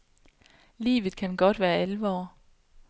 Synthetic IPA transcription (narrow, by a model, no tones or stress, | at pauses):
lḭːʋð̞̩ˠkʰænɡ̥ɒ̽d̥ʋæːɐælʋɒ̰ː